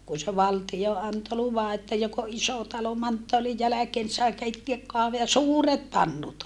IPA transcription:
kun̞ se ʋɑltijo ɑnto luʋɑ etːæ jok o ʔiso tɑlo mɑntːoɑlij jælækeːn ni sɑi keitːeæk jɑ suːret pɑnːut

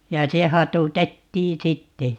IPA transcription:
jɑ se hɑtutetːiː sitːe

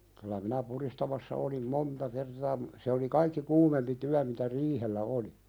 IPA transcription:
kylæ minæ puɾistɑmɑsːɑ olim montɑ kertɑː m se oli kɑikːi kuːmempi tyæ mitæ riːhelːæ oli

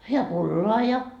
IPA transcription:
jɑ pulːoɑ jɑ

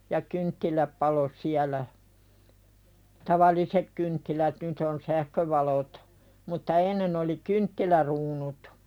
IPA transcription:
jɑ kyntːilæp pɑlo siælæ tɑʋɑlisek kyntːilæt nyt on sæhkøʋɑlot mutːɑ enːen oli kyntːilæruːnut

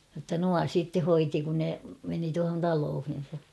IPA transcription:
jotːɑ nuɑ sitːe hoiti kun ne meni tuɑhon tɑloːhin̞sɑ

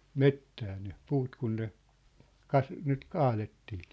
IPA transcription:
metːæː ne puːt kun ne kɑs nyt kɑːletːi̥ː

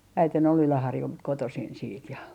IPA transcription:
æiten ol ylæhɑrjult kotosin siːt jɑ

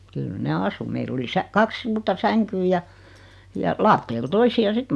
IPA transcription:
kyl ne ɑsu meil oli sæ kɑks suːrtɑ sæŋkyː jɑ jɑ lɑːtːeːl toisiɑ sit

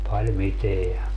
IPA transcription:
pɑl miteæ

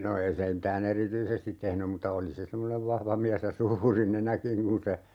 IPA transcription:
no ei se m̩tæːn erityisestit tehnym mutːɑ oli se semːoneʋ ʋɑhʋɑ miæs jɑ suːri nenækiŋ kun se

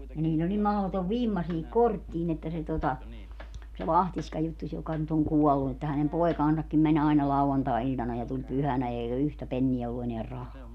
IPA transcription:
niːlʲl olʲ nim mɑhotoʋ ʋimːɑ siːhik kortːiːn etːæ se totɑ se lɑhtisʲkɑ jutːusʲ jokɑ nyt oŋ kuɔlːu etːæ hænem poekɑːnsɑkːim mænʲ ɑi̯nɑ lɑuɑntɑˑi̯ilʲtɑnɑ jɑ tulʲ pyhænæ eiɡ̊æ yhtæ penːiæ olːu eneær rɑhɑː

